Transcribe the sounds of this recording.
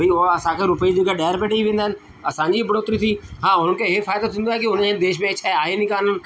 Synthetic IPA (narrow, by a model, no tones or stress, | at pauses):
ɐioɐsãkʰeɾʊpəid͡ʑeɡaɖaːɾpeːʈiiʋẽːnd̪aɦɪnɪ̆ | ɐsãːɲd͡ʑiːbɐɽoːt̪ɾit̪ʰiːɦãːʊn̤ənɪ̆kʰeɦefaːɪd̪ot̪ʰĩːnd̪aːɦekiʊnẽd̪eːʃmẽt͡ʃʰaaːɦenɪkaːnənɪ̆